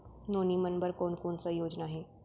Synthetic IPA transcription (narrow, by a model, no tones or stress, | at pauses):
noːnimɐnbəɾkoːnkoːnsɐjoːd͡ʒnaɦɛː